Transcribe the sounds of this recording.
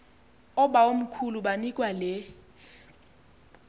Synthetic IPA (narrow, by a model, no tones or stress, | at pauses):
ɔɓaom̩kʰuluɓanikʼwalɛ